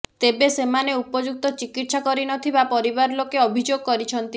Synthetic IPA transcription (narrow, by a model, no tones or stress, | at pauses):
t̪ebesemaneupɔd͡ʒuk̚t̪ɔt͡ʃikit̪sakɔɾinɔt̪ʰibapɔɾibaɾlokeɔbʱid͡ʒoɡ̚kɔɾit͡ʃʰɔnt̪i